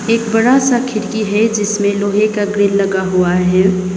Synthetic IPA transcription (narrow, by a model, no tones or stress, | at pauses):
eːkbɐɽasakʰɪɾkiɦɛd͡ʒɪsmẽloːɦekaɡɾɪlːɐɡaɦuaɦɛː